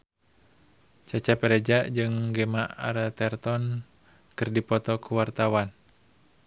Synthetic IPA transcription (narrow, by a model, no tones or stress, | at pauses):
t͡ʃat͡ʃapɛɾɛd͡ʒaʔd͡ʒɨŋɡɛmaʔaɾat̪ɛrt̪ɔn | kɨrdipɔt̪ɔkuwart̪awan